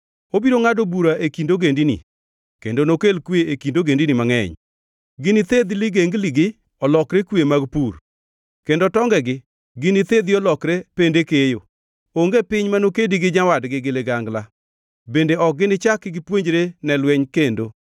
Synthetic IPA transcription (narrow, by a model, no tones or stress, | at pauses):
obiɾoŋadobuɾaʔekindoɡendinḭ | kendonokelkweekindoɡendinimaŋɛ̰ɲ | ɡɪnɪt̪ed̪lɪɡeŋɡliɡɪ | ɔlɔkɾekwemaɡpur | kendotɔŋɡɛɡɪ | ɡɪnɪt̪ed̪iɔlɔkɾependekejo | oŋɡepɪɲmanokediɡɪɲawadɡɪɡɪleɡaŋɡla | bendeɔk̚ɡɪnɪt͡ʃakːɪɡɪpweɲd͡ʒɾenɛlwɛɲkendo